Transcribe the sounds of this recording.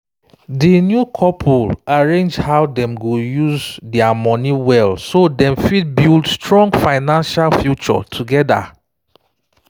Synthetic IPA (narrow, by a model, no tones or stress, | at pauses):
dinjukʰɔpʰulaɹẽnd͡ʒhawdɛ̃mɡojuzdɛamɔ̃niwɛlsodɛ̃mfid̚bildstɹɔ̃ŋɡfaɪnãnʃalfjut͡ʃɔ̰tʰuɡɛda̰